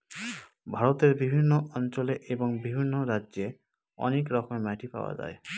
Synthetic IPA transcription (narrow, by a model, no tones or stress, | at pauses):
bʱaɾɔt̪eɾbibʱinːɔʔɔnt͡ʃɔleʔebɔŋbibʱinːɔɾad͡ʒe | ɔ̰nekɾɔkɔmemaʈʰipa̰wa̰d͡ʒa̰e